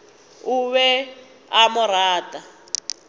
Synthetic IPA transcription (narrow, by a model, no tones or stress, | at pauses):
uβɛ | amʊɾaːtʼa